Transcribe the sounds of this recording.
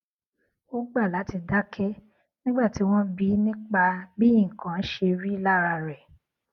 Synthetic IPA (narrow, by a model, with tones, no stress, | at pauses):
o˦ɡ͡ba˦˨la˨˦ti˧da˦kʰɛ˦ | nĩ˦ɡ͡ba˦˨ti˨˦w̃ɔ̃˦bi˦nĩ˦k͡pa˧bi˦ĩ˦˨kã˨˦n̩˦ʃe˧ɾi˦la˦ɾa˧ɾɛ˨